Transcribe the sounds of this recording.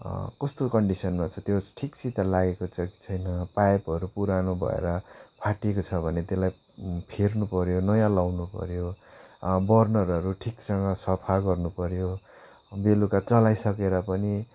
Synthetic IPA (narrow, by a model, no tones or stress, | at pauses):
kʌst̪okʌɳɖisʌnmat͡sʰʌt̪josʈʰikt͡sit̪alaɡekot͡sʌki̥t͡sʰʌjnʌpajpʌɾupuɾanobʱʌ̰ḛɾʌpʰaʈiekot͡sʰʌbʱʌnet̪elaj | pʰirnupʌɾjonʌjãlawnupʌ̰ɾjo | bʌrnʌɾʌɾuʈʰiksʌŋɡʌsʌpʰaɡʌrnupʌɾjo | belukat͡sʌlajsʌkeɾʌpʌni